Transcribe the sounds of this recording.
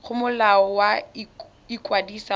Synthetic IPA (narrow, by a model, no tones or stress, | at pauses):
χʊmʊlaɔwa | ikwadisa